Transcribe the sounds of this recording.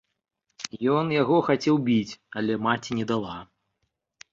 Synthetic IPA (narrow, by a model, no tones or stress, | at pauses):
jɔnjaɣɔxat͡sʲɛwbʲit͡sʲɐlʲɛmat͡sʲinʲɛd̪alˠa